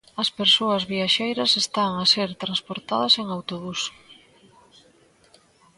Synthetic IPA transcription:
ɐspeɾsoɐzβiaʃejɾɐsest̪aŋɐseɾt̪ɾanspoɾt̪aðɐseŋawt̪oβus

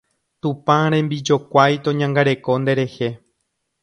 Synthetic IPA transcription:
t̪ũpãɾ̃ẽ̞mbid͡ʒo̞kʷajt̪õɲãŋɡaɾe̞ko̞nd̪e̞ɾe̞he̞

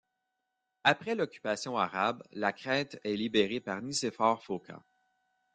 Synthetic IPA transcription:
apʁɛlɔkʲy̥pasjɔ̃aʁablakχɛ̃ːt̪ɛlibeʁepaʁnisefɔːʁfokʰa̰

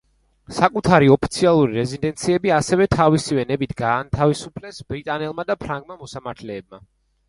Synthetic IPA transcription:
sakʼut̪ʰaɾiɔpʰi̥t̪sʰialˠuɾiɾɛzind̪ɛnt̪sʰiɛbiasɛvɛt̪ʰavisivɛnɛbit̪ʰɡaːnt̪ʰavisupʰlɛsbɾit̪ʼanɛlˠmad̪apʰɾaŋɡmamɔsamaɾt̪ʰlɛːb̚ma

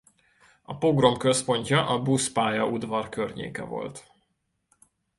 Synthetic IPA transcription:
ɒpo̞ɡromkø̞spo̞ɲcɒʔɒbuspaːjɒʔud̪vɒrkørɲḛːkɛ̰vo̞̰lt̪

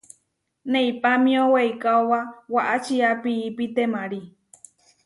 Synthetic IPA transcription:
nẽipamĩõweikaowawaʔat͡ʃiapiːpit̪emãɾi

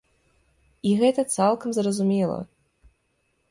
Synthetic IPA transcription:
iɣɛt̪ɐt̪salˠkɐmzrɐzumʲɛlˠɐ̰

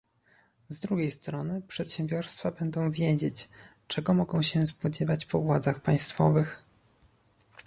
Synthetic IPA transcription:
zd̪ɾuɡʲejst̪ɾɔnɘpʂɛt̪ɕɛ̃mbʲjɔɾst̪fabɛnd̪ɔ̃w̃vʲjed͡ʑet͡ɕ | t͡ʂɛɡɔmɔɡɔ̃w̃ɕɛspɔd͡ʑɛvat͡ɕpɔvwad̪zaxpaj̃st̪fɔ̰vɘx

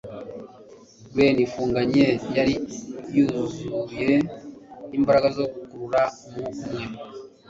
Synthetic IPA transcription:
βe̞nifuːŋɡaɲejaɾijuzuje | imbaɾaɡazo̞ɡukuɾuɾa | mumŋe̞

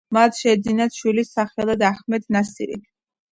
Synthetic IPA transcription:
mat̪ʰʃɛd̪zinat̪ʃwilisaχɛlˠad̪aχmɛd̪ʰnasḭɾḭ

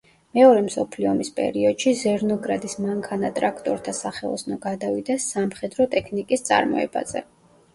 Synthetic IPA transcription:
mɛɔɾɛmsɔpʰliɔmispʼɛ̰ɾiɔd̪̥ʃizɛɾnɔɡɾad̪ismaŋkʰanat̪ʼɾakʰt̪ʼɔɾt̪ʰasaχɛlˠɔ̰snɔɡad̪avid̪ɛsːamχɛd̪ɾɔt̪ʼɛkʰnikʼist̪sʼa̰ɾmɔ̰ɛ̰ba̰zɛ̰

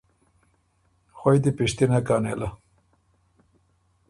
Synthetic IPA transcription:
xojd̪ipiʂt̪inakaːnḛːla

